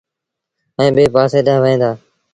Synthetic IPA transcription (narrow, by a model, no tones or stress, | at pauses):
ɛ̃ːbeːpaːseːɗãːʋəẽːnd̪aː